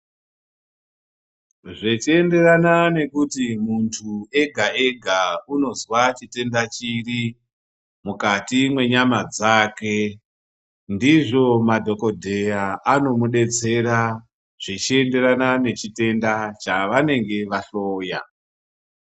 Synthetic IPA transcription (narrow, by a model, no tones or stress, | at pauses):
ʐet͡ʃie̞nde̞ranane̞kutimuntʰue̞ɡʱaʔe̞ɡʱauno̞zwat͡ʃite̞ndat͡ʃiri | mukatimwe̞ɲamad͡zaːke̞ | ndiʐo̞madʱo̞ko̞dʱe̞jaʔano̞muɗe̞t͡se̞ɾa | ʐ̥et͡ʃie̞nde̞ɾanane̞t͡ʃite̞ndat͡ʃaʋane̞ŋɡe̞ʋaɬoːja̰